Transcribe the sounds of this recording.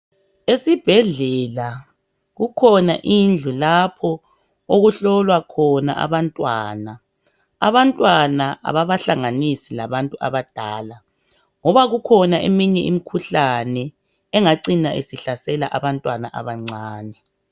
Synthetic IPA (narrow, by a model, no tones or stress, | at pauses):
esib̥ʱɛɮɛla | ɣukʰɔnaʔind͡ɮʱulapʰɔ | oɣuɬɔlwakʰɔna̰ʔa̰βantʼwa̰ːna | a̰βantʼwanaʔa̰βaβaɬaŋanisilaβantʼua̰βad̥ʱaːla | ŋɔβaɣukʰɔnaʔemiɲɛʔḭmikʰuɬanɛː | ŋaǀinaʔesiɬasɛla̰ʔaβantʼwanaʔa̰βaŋ͡ǀʱaːni